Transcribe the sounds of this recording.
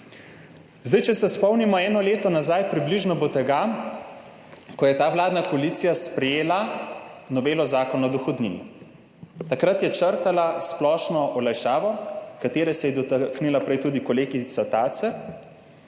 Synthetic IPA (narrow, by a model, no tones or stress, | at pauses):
zd̪ajt͡ʃɛsɛspɔwnimɔɛːnɔleːt̪ɔnazajpɾibliʒnɔbot̪ɛɡa | kɔjɛt̪aːwlaːd̪nakoalit̪sijaspɾɛjeːla | nɔbeːlɔzaːkɔnɔd̪ɔxɔd̪nḭnḭ | t̪akɾat̪jɛt͡ʃəɾt̪alasplɔːʃnɔʔɔlajʃaːʋɔkat̪eːɾɛsɛjɛd̪ɔtknilapɾɛjt̪uːd̪ikɔleːɡit̪sat̪aːt̪sɛ